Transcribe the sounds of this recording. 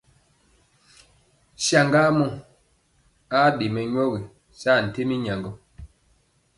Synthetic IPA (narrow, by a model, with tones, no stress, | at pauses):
sja˨ŋɡa˦mɔ˦˨ | a˦ɗe˨mɛ˨ɲ˦ɔ˦ɣi˨ | sa˦˨n̩˨te˦mi˦ɲa˨ŋɡɔ˦